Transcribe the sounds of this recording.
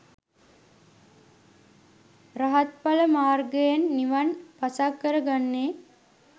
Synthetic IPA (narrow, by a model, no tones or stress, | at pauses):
raɦat̪̚paləmaːrɡəjanːiʋanpasakːəɾəɡanːeː